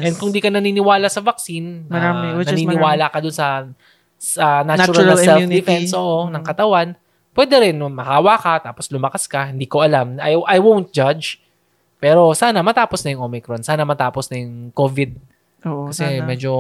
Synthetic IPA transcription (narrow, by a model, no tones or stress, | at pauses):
ʔɛnd̪̚kʊŋd̪iːkɐnɐninɪwaːlɐsɐvɐk̚sinːɐamɛnɐniːnɪwaːlɐkɐd̪ʊnsɐ | sɐnat͡ʃɾɐlsɛld̪ɪfɛnsoːʔonɐŋkɐt̪ɐwan | pwɛd̪ɛɾɛnmɐhaːwakɐt̪aːposlʊmɐkaskɐhɪnd̪iːko̞ʔɐlamɐjʔɐjwõwnt̪̚d͡ʒad͡ʒ | pɛːɾo̞saːnɐmɐt̪aːposnɐjʊŋʔoːmɪkɾonsaːnɐmɐt̪aːposnɐjʊŋkoːvɪd̪̚ | okɐsɛmɛd͡ʒo